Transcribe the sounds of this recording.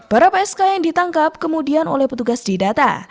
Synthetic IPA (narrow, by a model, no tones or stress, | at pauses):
b̥əɾapaɛskajaŋdit̪aŋkap̚kəmudiano̰lɛhpət̪uɡasdidat̪a̰